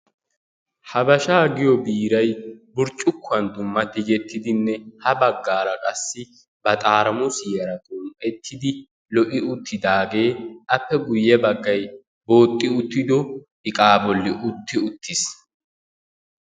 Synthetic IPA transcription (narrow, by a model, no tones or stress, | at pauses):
hɐbɐʃaːɡɪjɔbiːɾɐjbʊɾt͡ʃʼʊkːʊɐnd̪ʊmːɐt̪ːɪd͡ʒɛt̪ːɪd̪ɪnːɛhɐbɐɡːaːɾɐkʼɐsːɪ | bɐt̪ʼaːɾɐmʊsjɛɾɐt̪ʼumʔɛt̪ʰːɪd̪ɪ | lɔʔɪʊt̪ʰːɪd̪aːɡe̞ːʔɐpːɛɡʊjːɛbɐɡːɐj | bo̞ːt̪ʼːɪʊt̪ːɪd̪ɔ | ɪkʼaːbɔlːɪʔʊt̪ːɪʊt̪ʰːɪs